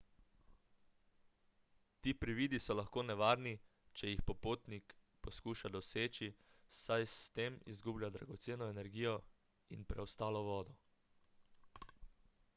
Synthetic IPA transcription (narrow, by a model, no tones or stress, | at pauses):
t̪iːpɾiʋiːd̪isɔlaxkoːnɛʋaːɾni | t͡ʃɛjixpɔpoːt̪nik | pɔskuːʃad̪ɔseːt͡ʃisajst̪eːmḭzɡublʲjad̪ɾaɡɔt̪seːnɔɛnɛɾɡiːjɔ | inpɾɛɔst̪aːlɔʋɔːd̪ɔ